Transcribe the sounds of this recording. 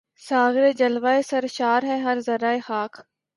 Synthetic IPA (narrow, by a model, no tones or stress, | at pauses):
saːɡɾeːd͡ʒəlʋaːesɐɾʃaːɾɦɛɦɐɾzɐɾaːexaːkʰ